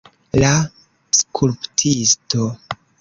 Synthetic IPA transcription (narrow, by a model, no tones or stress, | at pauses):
la | skʰulptʰisto